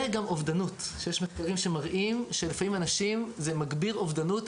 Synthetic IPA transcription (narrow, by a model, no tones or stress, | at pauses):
eɡamʔovd̪anutʃejeʃmeχkaʁimʃe̞maʁʔimʃelefamimanaʃimzemaɡbiʁovd̪anut